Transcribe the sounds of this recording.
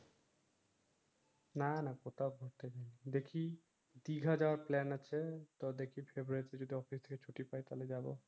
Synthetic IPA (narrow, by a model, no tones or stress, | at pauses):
nanakot̪ʰaoɡʱoɾt̪et͡ɕajnid̪ekʰi | d̪iɡʱad͡ʑaoaɾplɛnat͡ɕʰet̪ɔd̪ekʰifʰebɾuaɾit̪ed͡ʑod̪ʱiɔfist̪ʰeket͡ɕʰoʈipajt̪aled͡ʑabo